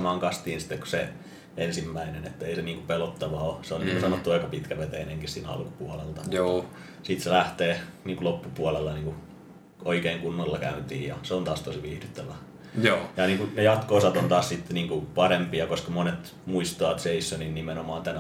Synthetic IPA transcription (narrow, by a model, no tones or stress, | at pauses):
mɑːŋkɑst̪iːnsi̥t̪ːekku̥sḛ | ensimːæinenet̪ːæeiseniːŋkupelot̪ːɑʋɑoseoniːkusɑnot̪ːuɑikɑpit̪kæʋet̪eineŋkissiːnæɑ̰lku̥puɑlelt̪ɑ | sit̪selæht̪eːniːŋkulopːupuɑlelːɑniːŋku | oikeːŋkunːɑlːɑkæ̰ynt̪ḭːjjɑ̰seont̪ɑːst̪osiʋiːhdyt̪ːæʋæ | oːjɑniːŋkunejɑt̪koːsɑt̪ont̪ɑːssit̪ːniːŋkupɑrempijɑkoskɑmonet̪ | muist̪ɑːt̪seisːoninnimenomɑːnt̪æn